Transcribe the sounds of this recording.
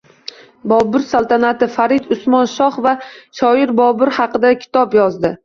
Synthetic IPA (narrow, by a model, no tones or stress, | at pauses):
bɒbɪɾsalˠt̪ʰanat̪ɪfaɾɪd̪ʊsmɒnʃɒχvaʃɒɪɾbɒbɪɾhɑqɨd̪akʲʰɪ̥t̪ʰɒpjɒzd̪ɪ